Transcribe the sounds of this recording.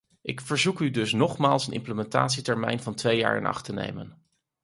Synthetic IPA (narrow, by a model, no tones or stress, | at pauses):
ʔɪkfəɹzukydɵsnɔχmaːlˠsənʔɪ̰mpləmɛnta̰ːtsitɛɹmɛ̰jnvɑntʋeja̰ːɹɪ̰nɑ̰χtənḛjmə̰n